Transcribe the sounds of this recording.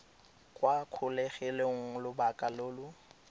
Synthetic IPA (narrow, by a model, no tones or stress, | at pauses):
kʼwakʰʊlɛχɛleŋ̩lʊbakʼaloːlʊ